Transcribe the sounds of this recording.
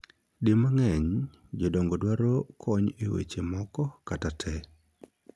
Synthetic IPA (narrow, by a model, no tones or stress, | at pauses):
demaŋɛɲ | d͡ʒɔdɔŋɡɔdwaɾɔkʰɔɲewḛt͡ʃemɔkɔkatatʰɛ